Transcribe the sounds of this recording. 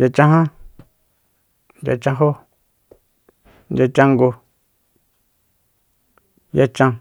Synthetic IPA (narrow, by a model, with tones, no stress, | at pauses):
ja˧t͡ʃã˦ɦã˦ | nd͡ʒa̰˧t͡ʃã˧ɦo˦ | nd͡ʒʲa˧t͡ʃã˦ŋɡo˧ | ja˦t͡ʃã˧